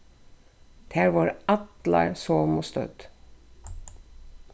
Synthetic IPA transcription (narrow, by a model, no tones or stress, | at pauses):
d̪̥ʰæːɹʋɑːɹɑt̪lɑ̰ɹsoːmʊst̪œ̰d̪